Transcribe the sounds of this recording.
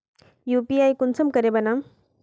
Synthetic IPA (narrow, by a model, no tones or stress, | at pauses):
juːpiaːjkʊnsɐmkɐɾebɐna